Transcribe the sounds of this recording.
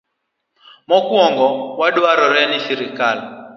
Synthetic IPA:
mɔkwɔŋɡɔwaɗwaɾɔɾɛnisiɾɪkal

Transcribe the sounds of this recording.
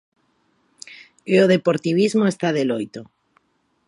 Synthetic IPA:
eoð̞epoɾt̪iβ̞izmoest̪aðelojt̪o

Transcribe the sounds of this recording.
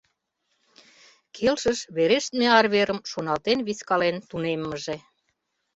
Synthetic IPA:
kʰelʃə̆ʃβeɾeʃt̪̚meɑrβeɾəmʃonɑlt̪enβiskɑlent̪unemːə̆ʒe

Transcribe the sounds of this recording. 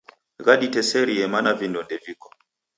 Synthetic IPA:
ɣaɗitɛsɛɾiɛmanavindɔndɛvikɔ̥

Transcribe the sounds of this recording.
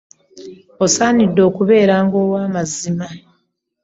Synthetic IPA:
osaːnidːo̞ːkuβe̞ːɾaːŋɡo̞ːwaːmazima

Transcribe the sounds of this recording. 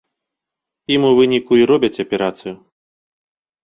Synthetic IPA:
imuvɨnʲikuiɾɔbʲɐt͡sʲɐpʲɛɾat̪sɨju

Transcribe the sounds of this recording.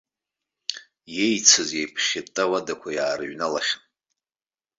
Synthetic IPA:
jejt͡sʰɨzjejpʰχʲetʼːawadakʷʰajaːrɨɥnalaχʲan

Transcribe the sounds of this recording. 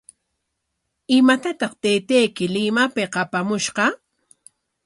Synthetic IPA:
ɪmat̪at̪ɑχt̪ejt̪ejkɪlɪmapeqɑpamʊʃqɑ

